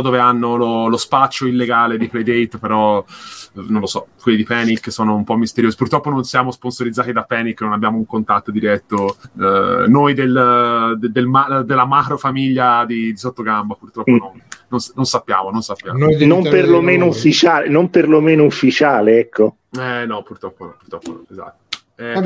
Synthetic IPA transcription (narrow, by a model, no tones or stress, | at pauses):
ɔd̪oːveanːololospat͡ʃːoilːeɡaːled̪iplejd̪ejt̪ːpeɾɔ | nõnlosɔkwelːid̪ipɛniksoːnoumpɔmːist̪eɾjoːzipurt̪ɾɔpːononsjaːmosponsoɾid̪zaːt̪id̪apːɛnikːnonabjaːmouŋkont̪at̪ːod̪iɾɛt̪ːo | nojd̪eld̪d̪elmad̪elːamakɾofamiʎːad̪id̪isot̪ːoɡambapurt̪ɾɔpːononːonnonsapːja̰ːmononsapːja̰ːmnomperlomeːnoufːit͡ʃaːlenomperlomeːnoufːit͡ʃaːleɛkʰːo | ɛnɔpːurt̪ɾɔpːonɔpːurt̪ɾɔpːo̰nɔ̰eza̰t̪ːo̥ | ɛ